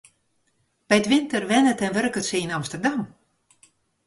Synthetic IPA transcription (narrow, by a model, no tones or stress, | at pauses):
b̥ɛjtʋɪntərʋɛnətɛnʋørkətsəinamstərdam